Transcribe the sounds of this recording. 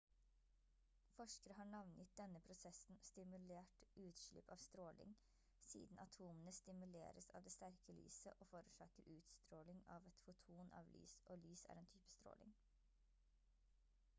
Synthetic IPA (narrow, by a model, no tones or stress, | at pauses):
fɔʂkəɾəɦɑːɳɑʋnjɪt̪̚d̪ɛnəpʰɾʊsɛsn̩st̪ɪmʉleːʈʔʉːt̪ʃɭɪ̰pɑːʋst̪ɾoːlɪ̰ŋ | sḭːd̪n̩ʔɑt̪ʰuːmənəst̪ɪmʉlḛːɾəsɑ̰ʋd̪eːst̪æɾkəly̰ːsəʔoːfoːɾʉʃɑːkəɾʉːt̪st̪ɾoːlɪŋɑːʋɛt̪fʊt̪ʰuːnʔɑ̰ːʋly̰ːsʔoːlyːsæ̰ːɾɛːnt̪ʰyːpə̥st̪ɾo̰ːlɪ̰ŋ